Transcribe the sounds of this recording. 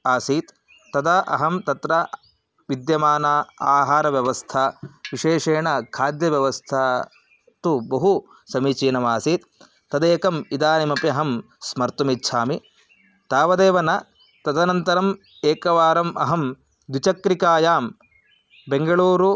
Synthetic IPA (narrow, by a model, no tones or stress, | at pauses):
aːsiːt̪ː | ɐd̪ɐʔɐ̰ɦɐmt̪ɐt̪ɾɐ | ʋid̪jɐmaːnaːaːɦaːɾɐʋjɐʋɐst̪ʰɐʋiʂeːʂeːɳɐkʰaːd̪jɐʋjɐʋɐst̪ʰa | t̪ubɐɦu | sɐmiːt͡ʃiːnɐmaːsiːt̪ː | ɐd̪eːkɐmid̪aːnimɐpiɐɦɐm | smɐɾt̪umitːʃʰaːmi | t̪aːʋɐd̪eːʋɐnɐ | t̪ɐd̪ɐnɐnt̪ɐɾɐm | eːkɐʋaːɾɐmʔɐ̰ɦɐm | d̪wit͡ʃɐkɾikaːjaːm | beŋɡɐɭuːɾu